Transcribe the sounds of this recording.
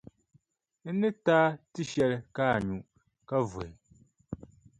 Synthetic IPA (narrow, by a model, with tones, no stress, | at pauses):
n̩˦nɨ˦taː˦tɨ˦ʃɛ˦lɨ˦kaː˦˨ɲu˨ | ka˦vʊ˨ɪ˨